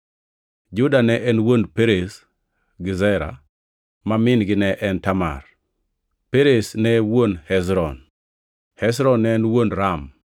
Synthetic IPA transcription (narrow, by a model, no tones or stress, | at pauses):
d͡ʒʊdanɛʔɛnwonpeɾes | ɡɪzɛɾa̰ | mamɪnɡɪnɛʔɛntama̰r | peɾesnɛwonhɛsɾɔn | hɛsɾɔnːɛːnwonɾam